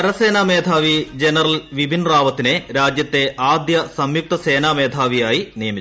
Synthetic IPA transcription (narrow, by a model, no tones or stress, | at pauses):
ɐɾɐse̞ːnaːme̞ːd̪ʱaːʋid͡ʑenɐrɐlʋibʱinraːʋɐt̪ːineɾaːd͡ʑjɐt̪ːe̞ʔaːd̪jɐsɐmjuk̚t̪ɐseːnaːme̞ːd̪ʱaːʋijaːjinijɐmit͡ɕːu